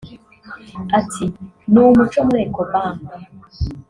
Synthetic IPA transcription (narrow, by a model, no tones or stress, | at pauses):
atʰi | numut͡ʃomuɾekobaːme